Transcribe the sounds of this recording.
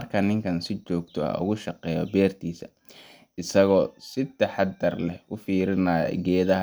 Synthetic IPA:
ɐrkʰɐnɪŋkʰɐnsɪt͡ʃɔːɡt̪ʰɔɐ̰ʊ̰ɣʊʃɑqɛːjɔ̰bɛːrt̪ʰiːsɐ̰ | ɪsɐɣɔːsɪt̪ːɐħɑd̪ɐrlɛhʊfiːɾɪnaːj̰ɡɛːðɐɦɐ

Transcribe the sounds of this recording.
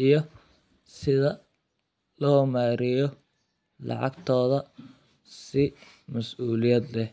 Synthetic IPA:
ijɞ | sɪðɐ | lɔːmaːɾɪjɔ | lɑ̰ʕɑ̰ɡt̪ʰɔːðɐ | sɪ | mɐsuːlɪjɐd̪lɛh

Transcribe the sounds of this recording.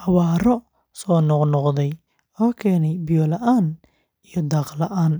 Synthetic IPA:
hɑwaːɾɔ | sɔːnɔqnɔqðɛj | ɔːkʰɛːnɛjbɪjɔːlɐʔaːn | ijɔd̪ɑːqlɐʔaːn

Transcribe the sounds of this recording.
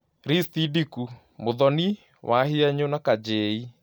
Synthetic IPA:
ɾist̪idiku | moðɔni | wʔaɦiaɲonakad͡ʑei

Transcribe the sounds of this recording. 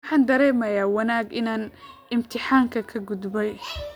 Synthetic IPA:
ħɑːnd̪ɐɾɛːmɐjaːwɐnaːɡɪnaːnʔɪmt̪ʰɪħaːŋkʰɐkʰɐɡʊd̪bɛj

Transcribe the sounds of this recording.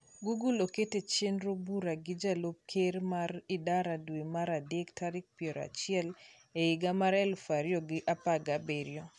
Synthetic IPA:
ɡuɡuloketet͡ʃenɾobuɾaɡɪd͡ʒalop̚kʰeɾmaɾɪdaɾadwemaɾadektʰaɾɪk̚pjeɾɔa̰t͡ʃɪɛl | eɪɡamaɾɛlfaɾjɔɡɪʔapaɡabeɾjɔ

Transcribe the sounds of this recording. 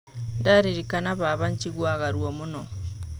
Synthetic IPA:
ndaɾiɾikanaβaβaɲciɣwaːɣaɾwomuno

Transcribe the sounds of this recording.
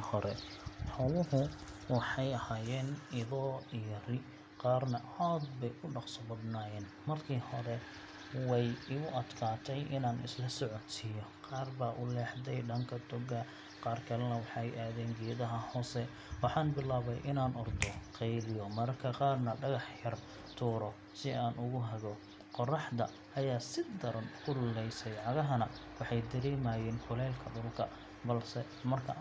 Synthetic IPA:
hɔɾɛħɔwʊhʊwɑħɑjɐhaːjɛːnɪðɔːijɔrɪ | qɑːrnɐ | aːd̪bɛjʔʊɖɑqsɔbɐd̪naːjɛːn | mɐrkʰiːhɔɾɛ | wɛjɪʊʔɐd̪kʰaːt̪ʰɛjʔɪnaːnʔɪ̰slɐsɔʕɔt̪ijɔqɑːrbaːʔʊlɛːħd̪ɛjɖɐŋkʰɐd̪ɔɡɐ | qɑːrkʰɐlɛnɐwɑħɑɛjʔaːðɛːnɡɛːðɐɦɐhɔːsɛ | wɑħɑːnbɪlaːβɛjʔɪnaːnʔɔrd̪ɔqɛjlɪjɔmɐɾkʰɐqɑːrnɐɖɐɣɑħjɐr | t̪ʰuːɾɔ | sɪaːnʔʊɣʊɦɐɣɔ | qɔrɑħd̪ɐ | ʔɐjaːsɪd̪ɐɾɐnkʰʊllɛjsɛjʕɑɣɐɦɐnɐwɑħɑjd̪ɐɾɛːmajɛːnfʊlɛːlkʰɐɖʊlkʰɐ | bɐlsɛ | mɐrkʰɐ

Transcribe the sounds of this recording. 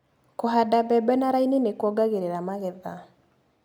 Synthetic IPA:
koɦadabɛbɛnaɾainenekwɔɡaɣeɾeɾamaɣɛða̰

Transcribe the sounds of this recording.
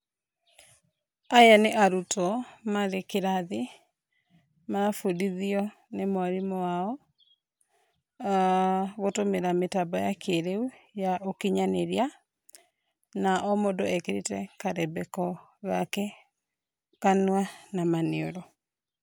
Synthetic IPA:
ajaneʔaɾutɔmaɾekeɾaði | manafudiðiɔ | nemoaɾimɔwaɔ | ɣotomeɾametabɔjakʰeɾeujaʔokiɲaneɾia | naʔɔmodɔɛkeɾetɛkaɾɛbɛkɔ | ɣakɛ | kanuwanamaneɔɾɔ

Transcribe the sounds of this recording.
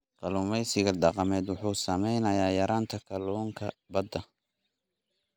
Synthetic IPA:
qɐluːmɛjsɪɣɐɖɑqɑmɛːd̪wʊħuːsɐmɛjnɐjaːjɐɾaːnt̪ʰɐkʰɐlɔːŋkʰɐbɐd̪ɐ

